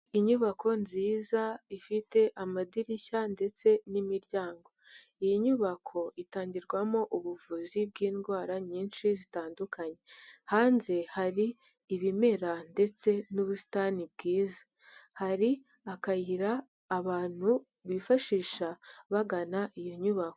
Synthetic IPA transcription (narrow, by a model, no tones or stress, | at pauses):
iɲuβakʰo̞nziːzaifite̞ʔamadiɾiçande̞t͡se̞nimiɾɟaːŋɡo̞ | ijiɲuβakʰo̞itaːɲɟiɾɡwamo̞ʔuβuvuzib̚ɡiːnɡwaːɾaɲiːnʃizitaːndukʰaɲe̞haːnze̞haɾiː | βime̞ɾande̞t͡se̞nuβusi̥tanib̚ɡiːzḁ | haɾi | akajiɾaː | βaːn̥hu | βifaʃiːʃaβaɡanaʔijo̞ɲuβako